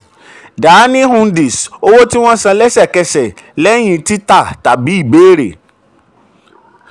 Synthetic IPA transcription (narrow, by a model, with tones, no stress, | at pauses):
daː˨˦nĩ˦hũ˧ndi˨so˦wo˦ti˦w̃ɔ̃˦sã˧lɛ˦ʃɛ˦˨kɛ˧ʃɛ˨ | lɛ˦j̃ĩ˧ti˦ta˦˨ta˨bi˨˦i˦˨be˦˨ɾḛ˨